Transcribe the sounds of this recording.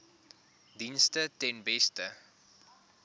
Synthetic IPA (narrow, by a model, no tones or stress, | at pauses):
dinstətɛnbɛstə